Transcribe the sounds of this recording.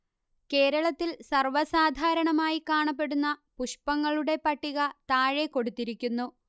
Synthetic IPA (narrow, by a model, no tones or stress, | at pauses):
ke̞ːɾɐɭɐt̪ːilsɐrʋɐsaːd̪ʱaːɾɐɳɐmaːjikaːɳɐpːe̞ɽunːɐpuʂpɐŋːɐɭuɽe̞pɐʈːiɣɐt̪aːɻe̞ko̞ɽut̪ːiɾikʲːunːu